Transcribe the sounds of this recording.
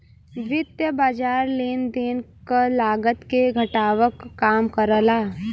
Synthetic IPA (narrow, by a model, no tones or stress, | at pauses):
ʋɪd̪jəbaːd͡ʒaːɾleːnd̪eːnkalaːɡət̪keɡʱɐʈaːʋəkːaːmkəɾəlaː